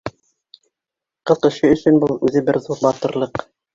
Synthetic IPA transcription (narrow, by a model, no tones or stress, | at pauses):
qɤ̆ðqɘ̆ʃɘɵ̆sɵ̆nbulˠʉðɘbɘɾðuɾbɑt̪ɤ̆ɾlˠɤq